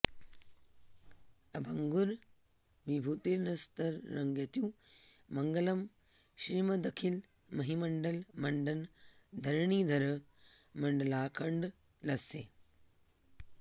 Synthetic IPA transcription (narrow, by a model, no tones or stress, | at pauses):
ɐbʱɐŋɡuɾ | ʋibʱuːt̪iɾnɐst̪ɐɾːɐŋɡjɐt̪jũːmɐŋɡəlɐm | ʃɾiːmɐd̪ɐkʰil | mɐɦimɐɳɖɐlmɐɳɖɐnd̪ʱɐɾɳiːd̪ʱɐɾ | mɐɳɖɐlaːkʰɐɳɖ | lɐseː